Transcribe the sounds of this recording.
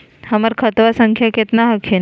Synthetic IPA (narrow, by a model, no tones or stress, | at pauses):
haməɾkʰət̪ʋasəŋkʰjaket̪naɦakʰen